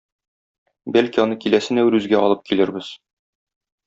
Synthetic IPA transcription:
bælkiɒnɤkilæsɘ̆næwɾʉzɡæɒlˠɤp̚kilɘ̆ɾbɘz̥

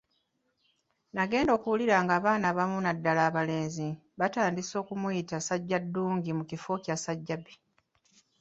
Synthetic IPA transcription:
naɡe̞ːndo̞ːkuwuliɾaŋɡaːβaːnaβamunadːalaːβale̞ːnzi | βataːndiso̞ːkumujitasaɟːadːuːŋɡimucifo̞casaɟːabi

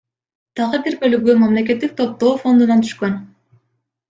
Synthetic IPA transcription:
d̪̥ɑʁɯbiɾbø̞lyɡymɑmle̞ke̞t̪ːik̚t̪ʰo̞p̚t̪o̞ːfo̞nd̪unɑnt̪ʰy̥ʃkø̞n

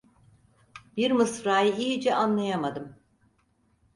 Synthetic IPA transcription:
biɾmɯsfɾaːjɯijid͡ʒɛanlˠajamad̪ɯm

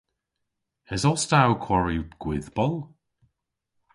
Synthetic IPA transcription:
ɛzɔstawkʰw̥ɔɹiɡ̥wɪðbɔlˠ

